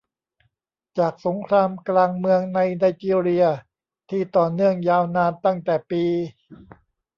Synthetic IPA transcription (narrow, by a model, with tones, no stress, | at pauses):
t͡ɕaː˨˩k̚so˩˦ŋkʰɾaː˧mklaː˧ŋmɯ˧əŋna˧jna˧jt͡ɕi˧ɾi˧ɐ | t̪ʰiː˥˩t̪ɔː˨˩nːɯ˥˩əŋjaː˧wnaː˧nt̪a˥˩ŋt̪ɛː˨˩piː˧